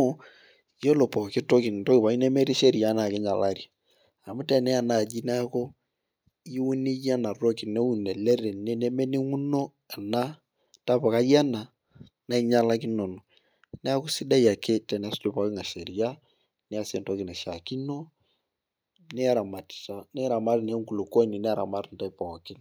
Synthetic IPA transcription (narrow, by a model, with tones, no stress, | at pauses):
jo˦lo˨pɔ˨kɪ˦to˦kɪ˨nto˦kɪ˨pa˨i˦ne˦me˦ɾi˦ʃe˦ɾi˨ja˦na˨kɪ˦ɲa˨la˦˨ɾja˨ | a˨mʊ˦tɛ˨nɛ˦a˨na˨d͡ʒi˦nɛ˦a˦ko˦ | i˦u˦ni˦ja˦na˨ro˦ki˨ne˦u˦nɛ˨lɛ˦re˨nɛ˦ne˦me˦ni˦ŋu˦no˦ | ɛ˨na˦ | ta˦pa˨ka˦ja˦na˨ | na˦i˦ɲa˦la˦kɪ˦no˨no˨ | nɛ˦a˦ko˦si˦da˦ja˨kʰe˦tɛ˨nɛ˦a˦sd͡ʒo˦pa˦kɪ˦ŋa˨ʃe˨ɾi˨ja˦ | nɛ˦a˦se˨nto˦kɪ˨nɛ˨ʃa˨ki˦no˦ | nɛ˦a˦ɾa˨ma˨tta˦nɛ˦ɾa˨ma˦ɾn˦ŋku˨lo˨ko˦ni˨nɛ˦a˦ɾa̰˨ma˦ɾn˨ta˦i˦pɔ˨kɪ˦n